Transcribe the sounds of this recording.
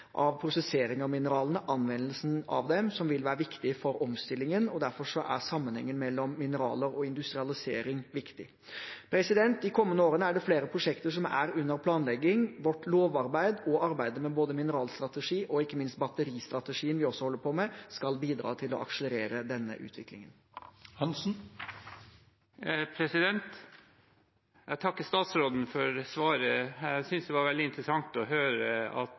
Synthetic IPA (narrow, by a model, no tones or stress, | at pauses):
ʔɑʋpʰɾʊsɛseːɾɪŋɑʋmɪnəɾɑːlənəʔɑnʋɛnːəlsn̩ɑ̰ʋd̪ɛmsɔmʋɪlʋæːɾəʋɪkt̪ɪfɔɾɔmst̪ɪlːɪŋənɔd̪æɾfɔʂɔʔæ̰ɾsɑmːənhɛ̰ŋːənmɛlːɔmːɪnəɾɑ̰ːləɾɔɪnd̪ʉst̪ɾɪɑlɪseːɾɪŋʋɪkt̪ɪ | pʰɾɛsɪd̪ɛnt̪̚d̪ɪkʰɔmːənəoːɾənəæɖɛfleːɾəpʰɾʊʂɛkt̪əʂɔmæ̰ɾʉnːəɾpʰlɑːnlɛɡːɪŋʋɔʈloːʋɑɾbæɪd̪ɔʔɑɾbæɪd̪əmɛboːd̪əmɪnəɾɑːlst̪ɾɑt̪əʂiːʔɔɪkːəmɪnst̪̚bɑt̪ːəɾiːst̪ɾɑt̪əʂiːənʋɪɔsːɔhɔlːəɾpʰɔmɛskɑlbiːd̪ɾɑ̰ːt̪ʰɪlɔ̰ʔɑ̰kʂələɾeːɾəd̪ɛnːə̰ʔʉ̰ːt̪ʰʋɪklɪ̰ŋən | hɑnsn̩ | pʰɾɛsɪd̪ɛnt̪ | jæt̪ʰɑkːəst̪ɑːt̪sɾoːd̪n̩fɔɾsʋɑːɾəæsʏnsd̪ɛʋɑɾʋɛld̪ɪnt̪ɾəsɑŋt̪ɔɦøːɾəɑ̰t̪